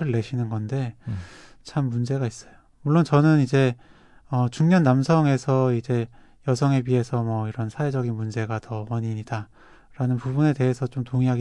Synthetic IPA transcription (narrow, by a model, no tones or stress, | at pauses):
ɾɯɭːe̞ɕʰinɯnɡʌnde̞ | t͡ɕʰamːund͡ʑe̞ɡais͈ʌ̥jo | muɭːont͡ɕʌnɯnid͡ʑe̞ | ʌt͡ɕuŋɲʌnːamsʰʌŋe̞sʰʌid͡ʑe̞ | jʌsʰʌŋe̞biɦe̞sʰʌmʌiɾʌnsʰawe̞d͡ʑʌɡinmund͡ʑe̞ɡatʌʌɲiɲida | ɾanɯnpubune̞te̞ɦesʰʌt͡ɕomtoŋiɦaɡi